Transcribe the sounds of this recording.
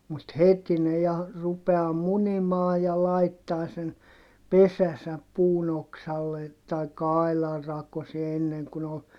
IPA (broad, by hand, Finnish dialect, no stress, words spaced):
mut heti ne jɑ rupeɑː munimɑː jɑ lɑitːɑː sen pesæsæp puːn oksɑlːe tɑikːɑ ɑilɑr rɑkosie enːeŋ kun ol